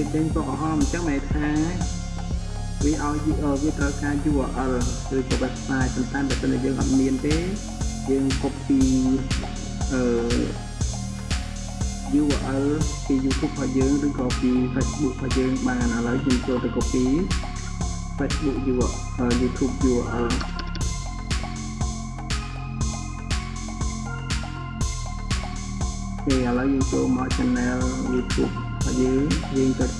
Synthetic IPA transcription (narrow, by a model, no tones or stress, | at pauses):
kiət͡ɕəŋsoʔəɦɑːmɲt͡ɕəŋmaːt̪ʰaː | ʋiəʔaɔjʔəːʋiət̪rəwkaːjuːʋə̰ʔəl | rɨːkɑːʋɛɛp̚saːjpont̪aɛɓəːəsənʔajəːŋʔɑ̰t̪̚miənt̪eː | jəːŋkʰopːiː | ʔəː | juːʋəʔəlpiːjuːt̪ʰuːp̚kʰɑhjəːŋrɨːkɑːpiːfʰesɓuk̚kʰajəːŋɓaːnanaləwjəːmt͡ɕoːlt̪əkopːiː | fesɓuk̚juːəʔ | ʔəjuːt̪ʰuːp̚juːəʔəl | eːʔələwjəːŋt͡ɕoːlmaət͡ɕənːɛljuːt̪ʰjṵːp̚ | kʰajeːjiːŋt͡ɕət̪̚